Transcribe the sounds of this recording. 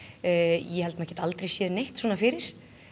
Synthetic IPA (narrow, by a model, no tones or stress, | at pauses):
jɛhɛlt̪mɛhcɛt̪alt̪ɾejsjɛːðnejht̪sɔːnafɪːɾɪɾ̥